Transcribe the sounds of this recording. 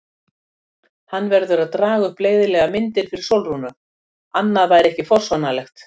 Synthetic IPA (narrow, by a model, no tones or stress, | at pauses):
hanːvɛɾðʏɾaðt̪ɾaːɣʏhpleːjðɪlɛɣamɪnt̪ɪɾ̥fɪɾɪɾ̥sowlrunʏ | anːaðvajɾɛhcɪfɔr̥svanalɛxt̪